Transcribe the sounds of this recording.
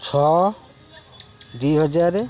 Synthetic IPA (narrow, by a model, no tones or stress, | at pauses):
t͡ʃʰɔ | d̪uɦɔd͡ʒaɾe